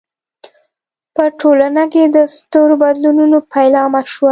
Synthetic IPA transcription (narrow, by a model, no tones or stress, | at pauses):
pəʈʰolanaked̪əst̪oɾobad̪lununopʰajlɑmaʃwa